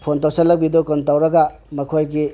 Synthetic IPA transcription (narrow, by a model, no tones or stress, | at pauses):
pʰontawsɐlːɐk̚bidokontawɾɐɡa | mɐkʰojɡi